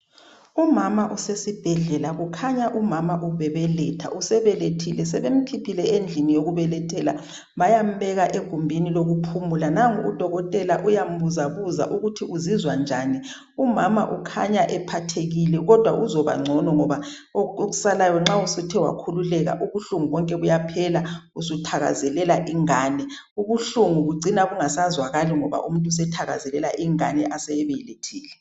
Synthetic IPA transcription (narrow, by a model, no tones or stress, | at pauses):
umamaʔusesib̥ʱɛɮɛlaɣukʰaɲaʔumamaʔuβɛβɛlɛtʰa̰ʔusɛβɛletʰilɛsɛβem̩kʰipʰilɛend͡ɮʱinijoɣuβɛlɛtʰʼɛla | βajam̩bɛɣaʔeɡ̥ʱumbʱiniloɣupʰumulanaŋṵd̥ʱɔɣɔtʼɛlaʔujam̩βuzaβuza̰ʔuɣutʰiʔuzizwand͡ʒʱani | umama̰ʔukʰa̰ɲaʔɛpʰatʰeɣilɛɣɔd̥ʱwa̰ʔuzɔβa̰ŋ͡ǀʱɔnɔŋɔβa | ooɣusalajɔŋ͡ǁausutʰɛwa̰kʰululɛɣa̰ʔuβuɬuŋuβɔŋkʼɛβujapʰɛlausutʰaɣa̰zɛlɛlaʔiŋaːnɛ | uβuɬuŋuɣuɡ͡ǀʱinaɣuŋasazwaɣaliŋɔβa̰ʔum̩ntʼus̬ɛtʰaɣa̰zɛlɛlaʔiŋa̰nɛʔasɛɛβɛjletʰiːlɛ